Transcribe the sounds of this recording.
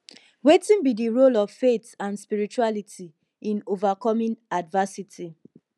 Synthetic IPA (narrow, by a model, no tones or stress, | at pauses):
wetĩnbidiɹolɔv̥fetãnspiɹit͡ʃualitʰi | ĩnovakɔmĩnadvasiti